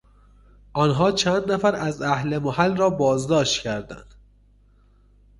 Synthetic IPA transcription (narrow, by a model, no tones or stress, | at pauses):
ʔɒːnɦɒːt͡ʃʰænd̪næfæɾæzæhlemohælrɒːbɒːzd̪ɒːʃt̪cʰæɾd̪æ̰nd̪̥